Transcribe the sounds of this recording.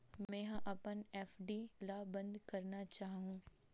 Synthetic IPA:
mmɛ̃ːɦãʔɐpənɛːfɖilabə̃nd̪kɐɾnat͡ʃaːɦɦũː

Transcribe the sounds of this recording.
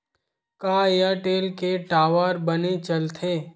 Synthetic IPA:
kaːejaːʈeːlkeʈaːʋaːɾbənet͡ʃɐlt̪ʰeː

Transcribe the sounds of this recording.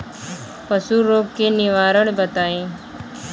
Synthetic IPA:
pəsuɾoːɡkenɪʋaːɾəɽ̃bət̪aːẽː

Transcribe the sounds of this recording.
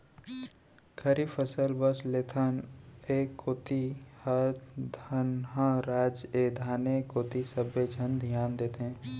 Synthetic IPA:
kʰɐɾifʰəsəlbəslet̪ʰəneːkʰot̪ihəd̪ʱənɦãɾaːd͡ʒeːd̪ʱaːnekot̪isəbed͡ʒʱənd̪ʱijaːnd̪eːt̪eɦɛ̃ː

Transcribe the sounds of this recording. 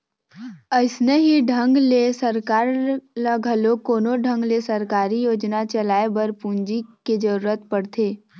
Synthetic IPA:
əɪsneɦiɖʱə̃ŋɡlesəɾkaːɾləɡʱəlokoːnoɖʱə̃ŋɡlesəɾkaːɾijoːd͡ʒnat͡ʃəlaːebəɾpũɲd͡ʒiked͡ʒəɾuːɾət̪pəɽt̪ʰeː

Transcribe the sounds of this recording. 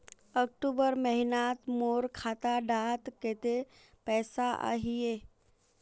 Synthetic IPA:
ək̚ʈubəɾməɦinat̪moːɾkʰaːt̪aɖaːt̪ket̪e | pɛːsaʔa̰ɦije

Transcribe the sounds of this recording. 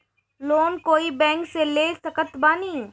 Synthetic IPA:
loːnkoːibɛ̃ːŋkseleːsɐkət̪baːniː

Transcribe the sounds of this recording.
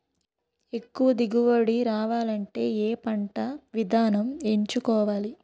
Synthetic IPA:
e̞kːuʋɐd̪iɡuʋoɽiɾaːʋaːlɐɳʈe̞ːeːpɐɳʈɐʋid̪ʱaːnɐmeɲt͡ʃukɔːʋaːli

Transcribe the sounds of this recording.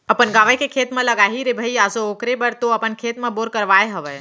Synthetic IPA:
əpənɡaːʋəkʰekʰeːt̪mẽləɡaːɦiɾebʱəiaːsooːkɾebəɾt̪oɐpənkʰeːt̪mẽboːɾkəɾʋaːeɦəʋə

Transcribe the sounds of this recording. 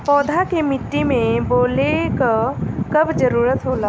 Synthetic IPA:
pɔːd̪ʱakemɪt̪ːimẽboːlekakɐbd͡ʒəɾuːɾət̪ɦoːlaː

